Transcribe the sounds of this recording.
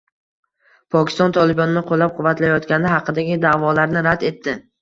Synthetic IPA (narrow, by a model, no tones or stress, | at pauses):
pʰɒkʲɪ̥st̪ɒnt̪ʰɒlˠɪbɒnɪnɪqʰolːap̚qʰʊvːat̪lajɒt̪kʲanɪɦɑqʰɨd̪aɡʲɪd̪aːvɒlaɾnɪɾad̪e̞t̪ʰːɪ